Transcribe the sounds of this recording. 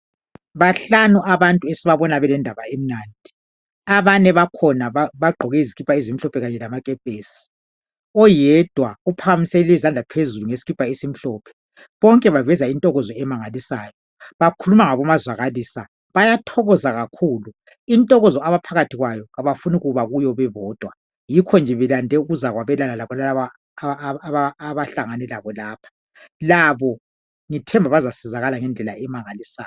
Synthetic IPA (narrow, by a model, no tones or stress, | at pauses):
βaɬanuaβantʼuesiβaβɔnaβɛlɛndʱaβaem̩naːndʱi | aβanɛβakʰɔnaaβaɡ͡ǃʱɔɣɛizikɣipʼaizim̩ɬɔpʰɛɣaɲɛlamakʼɛpʼeːsi̥ | ɔjɛd̥ʱwaupʰaɣamiselilɛzand͡ɮʱapʰezuluŋesi̥ɣipʼaisim̩ɬɔːpʰɛ̥ | βɔŋkʼɛβavɛzaintʼɔɣɔzɔɛmaŋalisaːjɔ | βakʰulumaŋaβɔmazwaɣaliːsa | βajatʰɔɣɔzaɣakʰuːlu | intʼɔɣɔzɔaβapʰaɣatʰiɣwajɔɣaβafuniɣuβaɣujɔβɛβɔːd̥ʱwa | jikʰɔnd͡ʒʱɛβɛlandʱɛuɣuzaɣwaβɛlanalaβɔlalaβa | βaːβaɬaŋanɛlaβɔlaːpʰḁ | laβɔ | ŋitʰɛmbʱaβazasɛzaɣalaŋɛnd͡ɮʱɛlaʔɛmaŋalisaːj